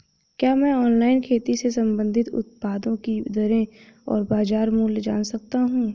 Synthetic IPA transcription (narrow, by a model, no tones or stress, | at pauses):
kjaːmɛ̃ːɔːnlaːɪnkʰeːt̪isesɐ̃mbə̃nd̪ʱɪt̪ʊ̰t̪̚paːd̪õkid̪ɐɾẽ | ɔ̰ːɾbaːzaːɾmuːld͡ʒa̰ːnsɐk̚t̪aɦũː